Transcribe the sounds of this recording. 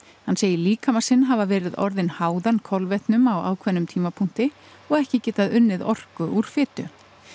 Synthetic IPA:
hanseːjɪliːkamasɪnɦavavɛːɾɪðɔ̰ɾðɪnhaːwðankʰɔlvɛht̪nʏmawa̰ːwkʰvɛnːʏmt̪ʰiːmapʰuŋ̥t̪ɪ | ɔɣɛhcɪcɛːt̪aðʏnːɪðɔr̥kʏʔuɾ̥fɪːt̪ʏ

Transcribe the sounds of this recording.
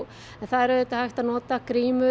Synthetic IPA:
ɛnθaðɛɾðɪt̪ahajht̪anɔːt̪akɾiːmʏ

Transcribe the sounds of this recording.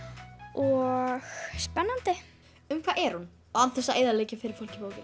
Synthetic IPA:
ɔɣspɛnːant̪ɪ | ʏmkʰv̥aːʔɛɾ̥hun | ɔɣant̪θɛsaeːjðaleːjcɪfɪɾɪɾ̥fol̥cɪpoːwcɪn

